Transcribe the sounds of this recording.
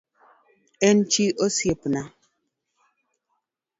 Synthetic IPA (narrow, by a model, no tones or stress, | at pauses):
ɛn̩t͡ʃiʔosjepna